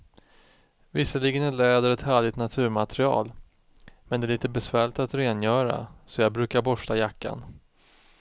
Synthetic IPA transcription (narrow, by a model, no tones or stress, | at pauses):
vɪsəlɪɡənæɭɛːd̪əɾɛt̪hæːɭɪt̪nat̪ʰʉ̟ːɾmat̪ɾɪɑ̰ːl | mɛnɛæːlɭiːt̪əbɛsvæːɭɪt̪at̪ɾeːnjœːɾa̰sɔjɑːɡbɾʉ̟ːkaɾbɔʂʈajakːa̰n